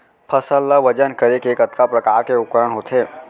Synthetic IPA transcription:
pʰəsəlːaʋəd͡ʒənkəɾekeːkət̪kapɾəkaːɾkeʊkəɾəɳɦoːt̪ʰeː

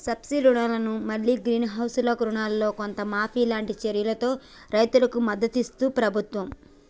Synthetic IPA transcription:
sɐbsiɾuɳaːlɐnumɐɭːiːɡɾiːnɦɐwsuloːkɾuɳaːlːo̞ːko̞nt̪ɐmaːpʰiːlaːɳʈit͡ʃɐɾjɐlɐt̪o̞ː | ɾɐjt̪ulɐkumɐd̪ːɐt̪ist̪uːpɾɐbʱut̪ʋɐm

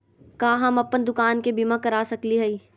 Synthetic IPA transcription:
kaːɦɐmɐpənd̪ʊkaːnkebimãkɐɾaːsɐkliɦɛiː

